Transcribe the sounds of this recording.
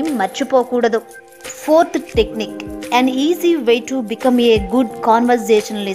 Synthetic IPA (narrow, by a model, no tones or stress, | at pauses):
mːɐɾt͡ʃupoːkuːɽɐd̪u | pʰoːɾt̪ʰʈekniːkɛ̃niːziʋejʈubikɐmeːɡuɖ̚kaːnʋɐɾseːʃɐnɐli